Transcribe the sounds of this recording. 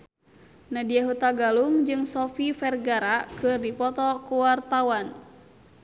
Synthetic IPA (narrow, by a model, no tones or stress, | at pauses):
nadiaɦut̪aɡaluŋd͡ʒɨŋsɔfifɛrɡaɾakɨrdipɔt̪ɔkuwart̪awan